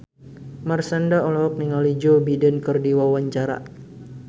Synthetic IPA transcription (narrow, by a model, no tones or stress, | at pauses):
marsandaɔlaɔk̚niŋalid͡ʒobidənkərdiwawaɲt͡ʃaɾa̰